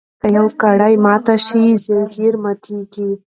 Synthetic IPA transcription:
kajawkaɽajmɑt̪aʃizelɡiɾmat̪ʰiɡi

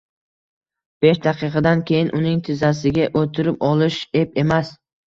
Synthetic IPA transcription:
b̥eʃd̪aqʰɨqʰɑd̪ankʲʰe̞jɪnʔʊnɪŋt̪ʰɪzasɪɡʲaʔot̪ʰɪɾɪpɒlˠɪʃe̞p̚e̞mas

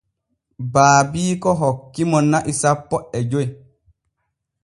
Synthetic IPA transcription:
baːbiːkɔɦɔkːimɔnːaʔisapːɔʔɛd͡ʒoj

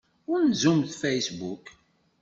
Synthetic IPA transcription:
ʊɾnzumθfæjsbuk

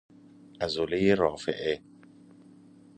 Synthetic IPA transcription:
ʔæzolejeɾɒːfḛʔe

